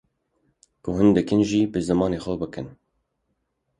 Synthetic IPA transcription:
kʊɦɨnd̪ɨkɨnʒiːbɨzɨmɑːneːxʷɛbɨkɨn

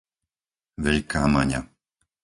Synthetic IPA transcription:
ʋɛʎkaːmaɲa̰

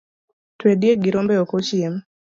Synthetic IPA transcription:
twedjeɡɪɾombɛokot͡ʃiem

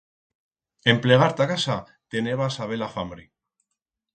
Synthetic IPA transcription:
e̞mpleɣ̞aɾt̪akasa | t̪eneβasaβ̞elafamɾi

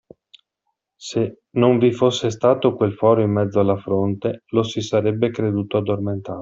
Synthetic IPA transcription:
se | noɱvifosːest̪aːt̪okwelfɔːɾoimːɛd̪zːoalːafɾont̪elosisaɾɛbːekɾed̪uːt̪oad̪ːorment̪aːɾ

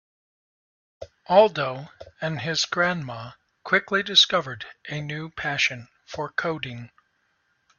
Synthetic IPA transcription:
ʔɔlˠdoʊɨ̃nɪzɡɹæ̃nmɑ | kʰw̥ɪklidɨskʌvə˞ɾʔɨnʉpʰæʃɨ̃n | fə˞kʰoʊɾɪ̃ŋ

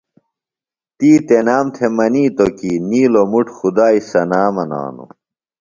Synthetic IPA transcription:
t̪iːt̪enaːmt̪ʰemɐniːt̪okiːniːlomuʈxud̪aːisɐnaːmɐna̰ːno̰

